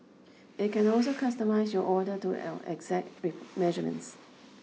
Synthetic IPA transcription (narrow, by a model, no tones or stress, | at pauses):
ɪt̚kʰɛ̃nɔls̬okʰʌstəmaɪsjɔʔɔdətṵɛ̰kzɛk̚ɹimɛʒəmə̰̃ns